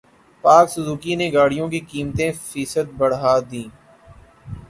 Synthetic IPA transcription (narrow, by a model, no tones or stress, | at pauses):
paːksʊzuːkineɡaːɽijõkikiːmt̪ẽfiːsət̪̚bəɽɦaːd̪ĩː